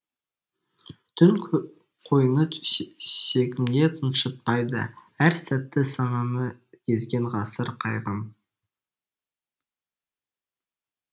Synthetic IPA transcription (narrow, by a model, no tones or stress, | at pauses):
t̪ʰʏn | qʰo̞jnə | ʃe̞kʲɪmɡ̪e̞t̪ʰənʃət̪̚pɑjd̪ə̰æɾsæt̪ːɪsɑnɑnəkʲʰe̞zɡʲe̞ɴʁɑsəɾqʰɑjʁəm